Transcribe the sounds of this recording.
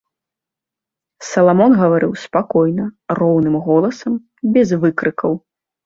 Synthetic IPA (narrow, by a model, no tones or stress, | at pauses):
sɐlˠamɔnɣɐvaɾɨwspakɔjnɐrɔwnɨmɣɔlˠɐsɐm | bʲɛzvɨkɾɨkɐw